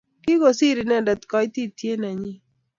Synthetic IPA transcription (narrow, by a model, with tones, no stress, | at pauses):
kɪ˦ɡo˨si˦ɾɪ˨na˦˨da˨t̪kɔ˨˦ɪ˦t̪i˦tje˦na˨ɲɪ˦